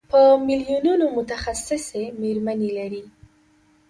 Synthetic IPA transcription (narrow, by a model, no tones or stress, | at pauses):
pəmilijununomʊt̪axasɪsemeɾmanelaɾi